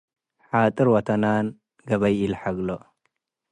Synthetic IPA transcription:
ħat̪ʼɨɾwɐt̪ʰɐnan | ɡɐβɐjilħaɡlo

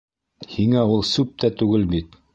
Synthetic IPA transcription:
hiŋæulˠsʉp̚t̪ʰæt̪ʉɡɘlbit̪

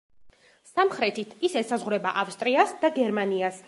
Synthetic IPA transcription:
samχɾɛt̪ʰit̪ʰisɛsazʁɾɛbaʔafst̪ʼɾiasd̪aɡɛɾmanias

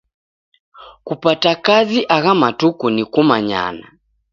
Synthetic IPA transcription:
kupatakaziʔaɣamatukunikumaɲa̰na̰

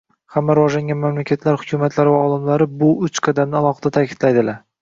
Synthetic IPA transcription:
hamːaɾɪvɒʒlaŋɡʲanmamlakʲʰat̪ʰlaɾhʊkʲʰʊmat̪ʰlaɾɪvaɒlˠɪmlaɾɪbʊʊt͡ʃqʰɑd̪amnɪalˠɒχɨd̪at̪ʰakʲʰɪd̪̥lajd̪ɪlaɾ

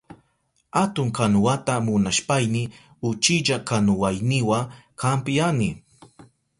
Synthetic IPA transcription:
at̪ʊŋkanʊwat̪amʊnaʃpajnɪ | ʊt͡ʃɪʎakanʊwajnɪwaŋkʰampɪjanɪ

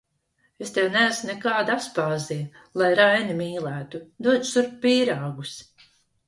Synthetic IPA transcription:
est̪ɛwnæːsnɛkaːd̪apspaːziɛ | lˠajɾajnimiːlˠæːt̪ud̪uɔd͡ʒ̪suɾppiːɾaːɡus

